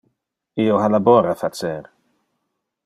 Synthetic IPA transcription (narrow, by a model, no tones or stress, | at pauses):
ioɦalabɔːɾafat͡sɛɾ